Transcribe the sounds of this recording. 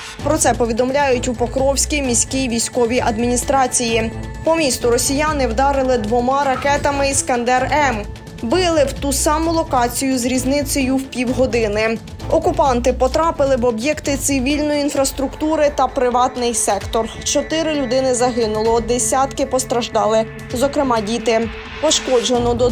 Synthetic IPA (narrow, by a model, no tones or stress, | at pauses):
pɾɔt̪sɛpɔʋʲid̪ɔmlʲajʊtʲupɔkɾɔwsʲkʲijmʲisʲkʲijʋʲijsʲkɔʋʲiʔɐd̪mʲinʲist̪ɾɑt͡sʲiji | pɔmʲist̪ʊɾɔsʲijanɪwd̪ɑɾɪlˠɪd̪ʋɔmɑɾɐkɛt̪ɐmɪiskɐnd̪ɛrɛm | bɪlˠɪwt̪usɑmʊlˠɔkɑt͡sʲijʊzɾʲiznɪsɔjʊwpʲiwɦɔd̪ɪnɪ | ɔkʊpɑnt̪ɪpɔt̪ɾɑpɪlˠɪwɔbjɛkt̪ɪt̪sɪʋʲilʲnɔjiinfɾɐst̪ɾʊkt̪uɾɪt̪ɐpɾɪʋɑt̪nɪjsɛkt̪ɔrt͡ʃɔt̪ɪɾɪlʲʊd̪ɪnɪzɐɦɪnʊlˠɔd̪esʲat̪kɪpɔst̪ɾɐʒd̪ɑlˠɪ | zɔkɾɪmɑdʲit̪ɪ | pɔʃkɔd͡ʒenɔd̪ɔ